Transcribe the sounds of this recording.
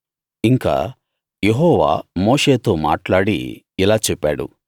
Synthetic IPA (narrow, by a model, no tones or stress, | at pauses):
iŋka̰ː | je̞ɦɔːʋa̰ːmoːʂeːt̪oːma̰ːʈlaːɽḭ | ilaːt͡ʃɛpːa̰ːɽṵ